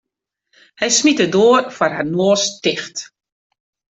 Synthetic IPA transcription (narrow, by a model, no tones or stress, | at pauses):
hɛjsmitədoːərfɔrhanoːəstɪxt